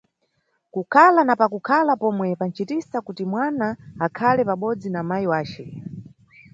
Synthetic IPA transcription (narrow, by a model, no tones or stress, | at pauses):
kukʰalanapakukʰalapɔmwɛpan̩t͡ʃitisakutimwanaːkʰalɛpaɓɔd͡zinamajiwaːt͡ʃɛ